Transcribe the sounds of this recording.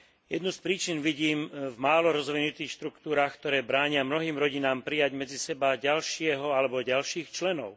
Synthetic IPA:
jɛd̪nuspɾiːt͡ʃinʋiɟiːmvmaːlɔɾɔzʋinut̪iːxʃt̪ɾukt̪uːɾaːxk̚t̪ɔɾɛːbɾaːɲɪamnɔɦiːmɾɔɟinaːmpɾijaɟmɛd͡zisɛbaɟalʃɪɛɦɔalɛbɔɟalʃiːxt͡ʃlɛnɔʊ

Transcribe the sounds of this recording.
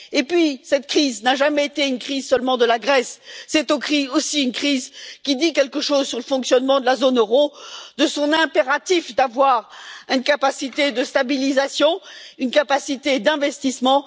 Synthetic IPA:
epɥisɛt̪kχiznaʒamɛet̪eynkχizsəlmɑ̃d̪əlaɡʁɛsːɛt̪okχiosiynkχizkʲid̪ikʲɛlkəʃozsyʁləfɔ̃ksjɔnmɑ̃d̪əlazonøʁod̪əsɔ̃nɛ̃peʁat̪ifd̪avwaʁynkapasit̪ed̪əst̪abilizasjɔ̃ynkapasit̪ed̪ɛ̃vɛst̪ismɑ̃

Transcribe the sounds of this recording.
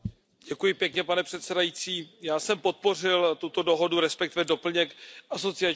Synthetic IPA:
ɟɛkujɪpjɛkɲɛpanɛpr̥ɛt̪sɛdajit͡siːjaːsɛmpo̞t̪̚po̞r̝ɪlt̪ut̪o̞do̞ɦo̞duɾɛspɛkt̪ɪvɛdo̞pl̩ɲɛkʔaso̞t͡sɪa

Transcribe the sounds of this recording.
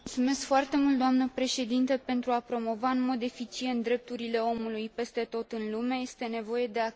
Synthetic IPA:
muult̪sume̞sskfoart̪e̞mult̪̚d̪oamnəpɾe̞ʃe̞d̪int̪əpe̞nt̪ɾuapɾo̞mo̞vaɨnmo̞d̪e̞fit͡ʃient̪̚d̪ɾe̞p̚t̪uɾile̞o̞mulujpe̞st̪e̞t̪o̞t̪ɨnlumeje̞st̪e̞ne̞vo̞je̞d̪e̞a

